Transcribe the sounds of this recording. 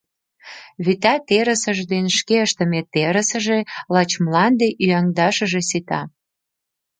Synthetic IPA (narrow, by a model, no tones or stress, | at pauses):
βyt̪æt̪eɾəsəʒd̪enʃkeəʃt̪ə̆met̪eɾə̆sə̆ʒelɑt͡ɕmlɑnd̪eʔyæŋd̪ɑʃə̆ʒesit̪ɑ